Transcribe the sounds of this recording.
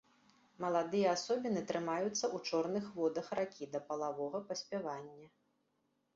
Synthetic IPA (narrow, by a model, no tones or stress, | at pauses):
mɐlˠad̪ɨjɐasɔbʲinɨt̪ɾɨmajut̪sːɐʔut͡ʂɔrnɨxvɔd̪ɐxrakʲid̪ɐpɐlˠavɔɣɐpɐsʲpʲavanʲːɐ